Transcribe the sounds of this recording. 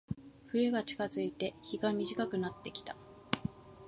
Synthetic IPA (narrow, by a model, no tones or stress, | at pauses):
ɸɯ̟ɾeɡat͡ɕi̥kazɨit̪e̞çiɡamʲiʑikakɯ̟nat̪ːe̞kʲi̥t̪ḁ